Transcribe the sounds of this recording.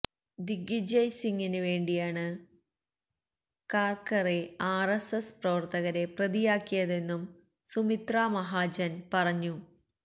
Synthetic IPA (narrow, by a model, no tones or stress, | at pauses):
d̪iɡid͡ʑɐjsiŋɡinɨʋe̞ːɳɖijaːɳɨ | kaːrkɐreaːresɐsprɐʋɐrt̪ɐɣɐɾe̞prɐðijaːkːijɐðe̞nːum | sumit̪raːmɐɦaːd͡ʑɐnpɐrɐɲːu